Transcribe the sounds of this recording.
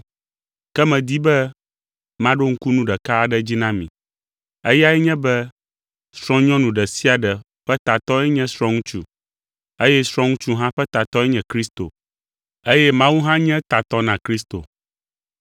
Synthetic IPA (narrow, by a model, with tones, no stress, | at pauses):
kɛ˦mɛ̃˨d̪i˦bɛ˦ | mã˦ɖo˦ŋ̩˦ku˦nũ˦ɖɛ˨ka˦˨ɖɛ˦d͡ʑi˦nã˦mḭ̃˨ | e˦ja˦ɛ˦ɲɛ̃˦bɛ˦ | sɾɔ̃˦ɲɔ̃˦nũ˨ɖɛ˨si˦a˨ɖɛ˨ | ɸɛ˦t̪a˨t̪ɔ˦ɛ˦ɲɛ̃˦sɾɔ̃˦ŋũ˦t͡ʃṵ˦ | e˦jɛ˦sɾ̃ɔ̃˦ŋũ˦t͡ʃu˦ɦã˦ɸɛ˦t̪a˨t̪ɔ˦ɛ˦ɲɛ̃˨kɾi˦st̪o̰˨ | e˦jɛ˦mã˦wu˦ɦã˦ɲɛ̃˦t̪a˨t̪ɔ˦nã˨kɾi˦st̪o̰˨